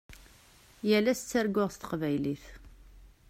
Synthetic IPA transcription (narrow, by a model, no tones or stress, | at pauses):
jælæst͡sːæɾɡʊʁst̪ə̥qvæjliθ